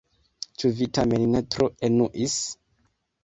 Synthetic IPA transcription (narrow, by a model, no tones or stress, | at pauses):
t͡ʃuvitameninetɾoenuʔis